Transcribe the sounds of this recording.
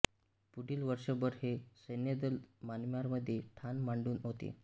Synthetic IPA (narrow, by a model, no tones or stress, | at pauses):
puɽʱiːlʋəɾʂəbəɾhesəjnjed̪əlmanmjaɾməd̪ʱːjeʈʰanmaɳɖuːnɦot̪ḛ